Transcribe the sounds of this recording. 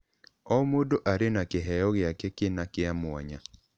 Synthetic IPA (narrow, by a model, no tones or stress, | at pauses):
ɔmodoʔaɾɪnakɪɦɛjɔɣɪakekɪnakɪamwɔ̰ɲa